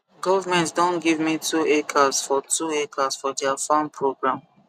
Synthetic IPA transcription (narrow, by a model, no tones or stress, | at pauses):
ɡɔvmɛ̃ntdɔ̃nɡivmituekʰasfɔtʰuekʰasfɔdɛafãnpʰɹoɡɹãm